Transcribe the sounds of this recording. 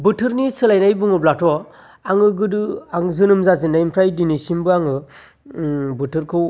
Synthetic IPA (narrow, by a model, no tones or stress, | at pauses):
bɯtʰɯɾnisɯlajnajbɯŋɯblatʰɔ | aŋɯɡɯdɯaŋzɯnɯmzazɯnajimpʰɾajdinisimbɯaŋɯ | bɯtʰɯɾkʰɯw